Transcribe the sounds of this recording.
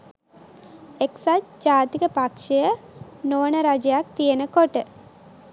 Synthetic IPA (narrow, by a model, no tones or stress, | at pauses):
eksatd͡ʒaːt̪ikəpakʂəjənonəɾad͡ʒəjak̚t̪ijenəkoʈə